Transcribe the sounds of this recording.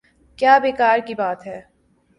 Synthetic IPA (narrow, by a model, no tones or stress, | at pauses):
kjaːbeːkaːɾkibaːt̪ɦɛː